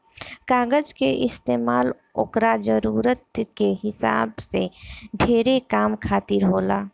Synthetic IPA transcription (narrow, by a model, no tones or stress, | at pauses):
kaːɡəd͡ʒkeʔɪst̪eːmaːl | o̰kɾad͡ʒəɾuːɾət̪̚keɦɪsa̰ːbseɖʱeːɾekaːmkʰaːt̪ɪɾɦoːlaː